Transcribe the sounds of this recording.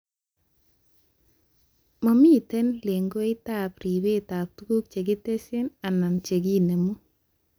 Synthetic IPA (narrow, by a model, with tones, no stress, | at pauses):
mɔ˨mi˦˨te˦nle˨ŋɡo˦ɪ˦ta˨pɾi˨be˦ta˨p̚tu˦ku˦k̚t͡ʃe˨ɡɪ˦te˦sɪ˦na˨na˨nt͡ʃe˨ɡi˦ne˨mu˦